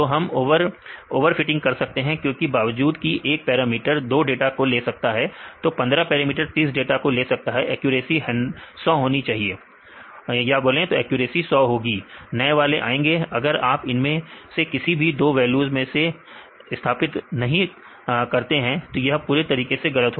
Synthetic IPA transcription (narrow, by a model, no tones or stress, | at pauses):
t̪oːɦɐmːʋəɾoːʋəɾfɪʈɪ̃ŋɡkɐɾsɐk̚t̪eɦɛ̃kjõːkibaːʋəd͡ʒuːd̪kiʔeːk̚pɛːɾamiːʈəɾd̪oːɖeːʈakoleːsɐk̚t̪aɦɛt̪opɐ̃nd̪ɾapɛːɾamiːʈəɾt̪iːsɖeːʈakoleːsɐk̚t̪aɦɛʔɛːkjuːɾeːsiɦɐ̃ɳsɔːɦoːnit͡ʃaːɦieː | jɐaːboːlẽt̪oɛːkjuːɾeːsisɔːɦoːɡiːnɐeʋaːleʔa̰ːẽːŋɡeɐɡəɾaːpɪnmẽsekɪsibʱid̪oːʋɛːljuːzmẽse | ɪst̪ʰaːpɪt̪nɐɦĩ | kɐɾt̪eɦɛ̃t̪ojɐɦpuːɾet̪ɐɾiːkeseɣɐlət̪ɦo